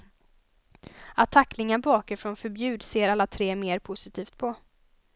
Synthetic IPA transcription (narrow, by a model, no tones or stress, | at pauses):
at̪ʰːakːlɪŋabɑːkaɾfɾɔnfœɾbjʉ̟ːd̪seːɾalːat̪ʰɾeːmeːɾpʰʊsɪt̪ʰiːft̪̚pʰɔ